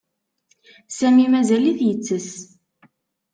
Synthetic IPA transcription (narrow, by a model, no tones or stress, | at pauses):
sæmimæzæliθjət͡sːəs